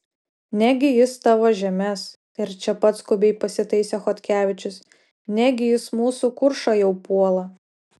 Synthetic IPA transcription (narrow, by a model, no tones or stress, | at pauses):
nʲæɡʲɪjɪst̪ɑːʋoʒʲɛmʲɛst̪ɪɾt͡ʃʲɛpɐt̪skʊbʲɛɪpɐsʲɪt̪ɐɪsʲɛxɔt̪ʲkʲæːʋʲɪt͡ʃʲʊs | nʲæɡʲɪjɪsmuːsukʊɾʃɐjɛʊpuɔlˠɐ